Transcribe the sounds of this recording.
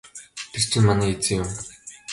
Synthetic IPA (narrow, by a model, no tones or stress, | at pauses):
t̪ʰer̥t͡ɕʰɪ̆nmaniːet͡sɘ̆ŋjʊm